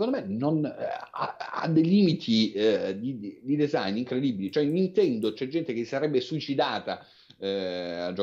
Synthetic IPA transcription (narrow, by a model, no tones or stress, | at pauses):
kõnd̪omenona̰a̰d̪ːejliːmit̪ʰid̪id̪id̪ezajniŋkɾed̪ibilit͡ʃoɛnint̪ɛnd̪ot͡ʃɛd͡ʒːɛnt̪ek̟esaɾɛbːesuit͡ʃid̪aːt̪a | ad͡ʒo